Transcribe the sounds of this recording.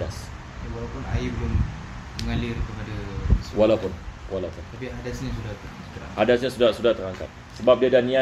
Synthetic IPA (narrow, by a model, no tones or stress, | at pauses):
as | awalapʊna̰ibəlʊmː | əŋalɪrkəpadawalawpʊnwalawpʊnt̪apiɦadasɲis̬udat | it̪əɾa̰ŋhadasɲasudahsudaht̪əɾaŋka̰t̪̚ | səbap̚diadahnia